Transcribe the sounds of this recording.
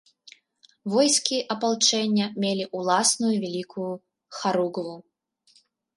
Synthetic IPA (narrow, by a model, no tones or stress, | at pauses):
vɔjskʲiʔɐpalˠt͡ʂɛnʲːɐmʲelʲiʔulˠasnujuvʲɛlʲikʰuju | xaɾuɡɐvu